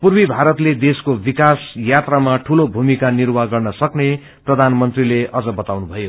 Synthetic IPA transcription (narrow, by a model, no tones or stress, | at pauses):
purbibʱaɾʌt̪led̪eskobikasjat̪ramaʈʰulobʱumikanirwaɡʌrnʌsʌkne | prʌd̪ʱanmʌnt̪rileʌd͡zʌbʌt̪awnubʱʌjo